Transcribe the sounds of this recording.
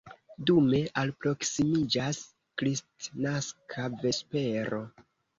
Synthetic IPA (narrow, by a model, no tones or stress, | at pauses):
dume̞ʔalpɾo̞ksimid͡ʒaas | kɾistnaskʰave̞spe̞ɾo̞